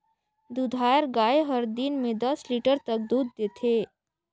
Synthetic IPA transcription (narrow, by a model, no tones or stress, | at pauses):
d̪ud̪ʱaːjəɾɡaːeɦəɾd̪inmẽd̪ɐsliːʈəɾt̪ɐk̚d̪uːd̪ːeːt̪ʰeː